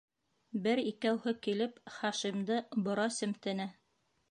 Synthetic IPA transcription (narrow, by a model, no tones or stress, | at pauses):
bɘɾikæwhɤkilɘpχɑʃimd̪ɤbŏɾɑsɵ̆mt̪ɘ̆næ